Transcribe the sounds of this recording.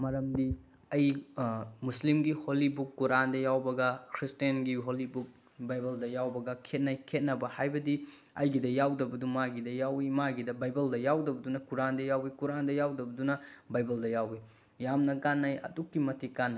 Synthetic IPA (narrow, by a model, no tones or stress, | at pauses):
mɐɾɐmdi | ɐj | muslimɡiholibukːuɾandɐjawbɐɡɐkʰɾistijɐnɡiɦolibuk̚ | bajbɐldɐjawbɐɡɐkʰet̚najkʰet̚nɐbɐhajbɐdi | ɐjɡidɐjawdɐbɐdumaɡidɐjawimaɡidɐbajbɐldɐjawdɐbɐdunɐkuɾandɐjawikuɾandɐjawdɐbɐdunɐbajbɐldɐjawi | jamnɐkanːajɐ̰dukːimɐtʰikan